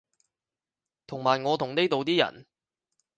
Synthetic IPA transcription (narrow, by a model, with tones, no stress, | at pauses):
t̪ʰʊ˨˩ŋmaː˨˩jŋɔː˨˧t̪ʰʊ˨˩ŋne˥jt̪o˨wt̪iː˥jɐ̰˨˩n